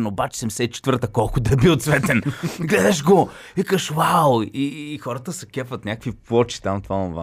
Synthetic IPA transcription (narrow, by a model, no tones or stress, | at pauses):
nobat͡ʃɛ̥sɛmsɛt̪t͡ʃɛ̥t̪vəɾt̪əkɔlˠkʊd̪ɐɛbiot̪svɛt̪ɛnɡlɛd̪ɛʃ̬ɡovikəʃwawiːxɔɾət̪əsɛkʲɛpvət̪nʲakəkviplˠɔt͡ʃi̥t̪amt̪vaɐva̰